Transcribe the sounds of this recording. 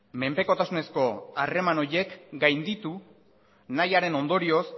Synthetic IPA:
me̞mpe̞ko̞t̪asune̞sko̞are̞mano̞je̞kɡajnd̪it̪u | najaɾe̞no̞nd̪o̞ɾio̞s

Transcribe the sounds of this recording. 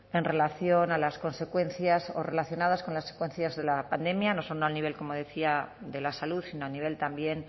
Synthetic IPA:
e̞nre̞laθjo̞nalasko̞nse̞kwe̞nθjaso̰re̞laθjo̞nað̞asko̞nlasːe̥kwe̞nθjazðe̞lapand̪e̞mjano̞snoalniβe̞lko̞mo̞ðe̞θiaðe̞lasaluðsinoalniβ̞e̞lt̪ambje̞n

